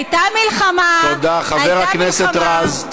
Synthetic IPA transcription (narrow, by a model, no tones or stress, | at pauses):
ajt̪amilχamat̪od̪aχaveʁakneset̪ʁaz